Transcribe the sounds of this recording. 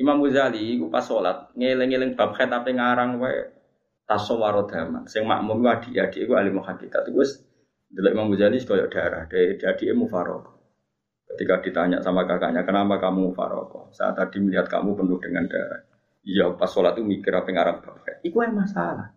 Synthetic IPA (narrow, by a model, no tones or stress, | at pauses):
imamuzaliːkupasɔlat̪̚ŋelɪŋelɪŋb̥ap̚xɛt̪apiŋaɾaŋwaɛ̰ | t̪asɔwaɾɔd̪̥ama̰nsɪŋma̰ʔmʊnkuad̥i̤ʔad̥iʔekualimukankit̪at̪ukuɛs | d̪əlɔʔimamuzalisi̥kɔjɔ̰ʔd̥a̤ɾahd̥ad̥iad̥iʔemufaɾɔ̰kɔ̥ | kət̪ikad̥i̤t̪aɲa̰ʔsamakaka̰ʔɲakənapakamumufa̰ɾɔ̰kɔ̰sa̰a̰t̪ad̥iməliɦat̪̚ka̰mupənʊhd̥əŋand̥a̰ɾa̰h | ijapasɔlat̪̚kumikɪɾapiŋaɾaŋb̥ap̚xɛ̰t̪̚ikuamasalah